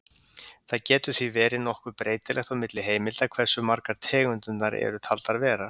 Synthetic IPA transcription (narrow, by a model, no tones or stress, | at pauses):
θaðcɛːt̪ʏθivɛːɾɪnɔhkvʏɾpɾeːjt̪ɪlɛxt̪ɔmɪt̪lɪɦeːjmɪlt̪akʰv̥ɛɾ̥sʏmaɾkaɾ̥t̪ʰɛːɣʏnt̪ʏnːaɾɛ̰ɾʏt̪ʰalt̪aðvɛːɾa